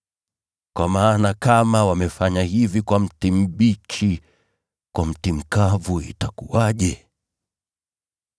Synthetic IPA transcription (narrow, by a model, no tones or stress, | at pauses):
kwamaːnakamawamɛfaɲahivikwam̩tim̩ɓit͡ʃi | kwam̩tim̩kavuḭtakuwaʄɛ